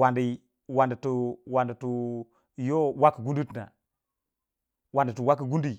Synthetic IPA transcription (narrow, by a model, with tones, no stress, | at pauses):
wa˨ndi˨ | wa˨ndə˨tu˨wa˨ndə˨tu˨ | jo˦wa˦kə˨ɡu˦ndu˦tna̰˨ | wa˨ndə˨tu˨wa˦k̬i˨ɡu˦ndi˦˨